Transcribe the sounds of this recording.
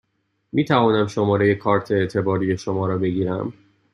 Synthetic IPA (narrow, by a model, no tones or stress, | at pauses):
miːt̪ʰævɒːnæmʃo̞mɒːɾe̞je̞kʰɒːɾt̪ʰeːʔt̪ʰe̞bɒːɾiːje̞ʃo̞mɒːɾɒːbe̞ɡiːɾæ̰m